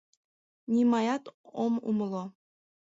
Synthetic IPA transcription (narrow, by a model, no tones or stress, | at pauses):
nʲimɑjɑt̪omṵmlˠo